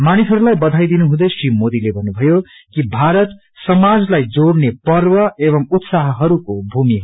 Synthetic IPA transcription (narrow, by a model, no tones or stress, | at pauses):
manisɦʌɾulajbʌd̪ʱajd̪inuɦũd̪ʌsimod̪ilebʱʌnːubʱʌjokibʱaɾʌt̪ | sʌmad͡zlajd͡zoɽnepʌrbʌeβʌmut̪saɦʌɦʌɾukobʱumi